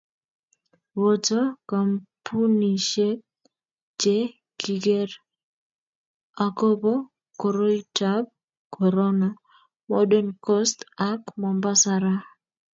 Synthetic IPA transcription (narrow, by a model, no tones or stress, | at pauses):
wotokampuniʃep̚ | d͡ʒe | kiɡer | akobɔ | koɾoitab̚ | kʰɔɾɔna | mɔdɛnkɔstakmɔmbasaɾa